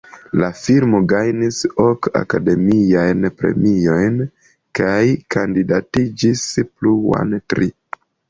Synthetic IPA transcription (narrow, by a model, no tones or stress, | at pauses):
lafilmo̞ɡajnisoka̰kade̞miajnpɾe̞̰mio̞jn | kajkandidatid͡ʒispluwa̰ntɾi